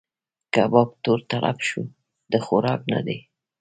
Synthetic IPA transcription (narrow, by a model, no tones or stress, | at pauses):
kaabɑb̚t̪oɾt̪aɽa̰fʃu | d̪̥əxoɾɑkna̰d̪e